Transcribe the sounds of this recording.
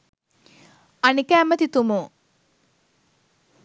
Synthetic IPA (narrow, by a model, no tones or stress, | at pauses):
anikəːmət̪it̪umu